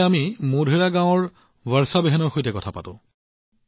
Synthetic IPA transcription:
amimodʱeɹaɡãʊ̃ɔɹ | waɹsabɛɦɛnɔɹxojtɛkɔtʰapa̰tʊ̰̃

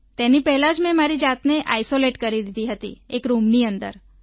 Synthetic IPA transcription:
t̪enipɛɦɛlãd͡ʒmɛ̃maɾid͡ʒat̪neʔajsoleʈkəɾid̪id̪iɦət̪ḭekɾumniənd̪ə̰ɾ

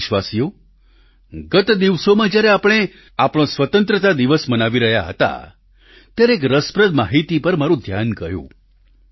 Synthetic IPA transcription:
ʃʋasijo | ɡət̪d̪iʋsomãd͡ʒjaɾɛapɽ̃e | apɽ̃õsʋət̪ənt̪ɾət̪ad̪iʋəsmənaʋiɾəɦjaɦə̰t̪a̰ | t̪jaɾeekɾəspɾəd̪maɦit̪ipəɾmaɾũd̪ʱjankəjṵ̃

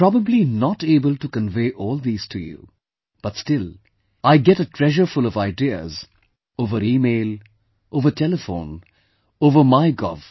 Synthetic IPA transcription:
pɾɑbəblinɔteːbəltukə̃nveɪʔɔːlˠd̪iːz̥tʰujṵ | b̥ʌtstɪl | aɪɡɛɾətʰɹ̥ɛʒəɾfʊlʌvaɪdiə̰z | oʊvəɾiːmeɪl | ʔoʊvəʈʰɛləfõʊ̃n | oːvə˞maɪɡɔ̰v̥

